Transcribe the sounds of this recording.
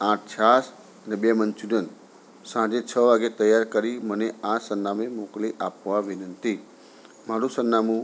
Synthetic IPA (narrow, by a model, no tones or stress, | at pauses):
ãʈ̚ʰt͡ʃʰas | nəbjamənt͡ʃudən | sãd͡ʒet͡ʃʰəʋaɡet̪əjaɾkəɾiməneãsənːamemokliʔapʋabʱinənt̪i | mãɽusənːamũ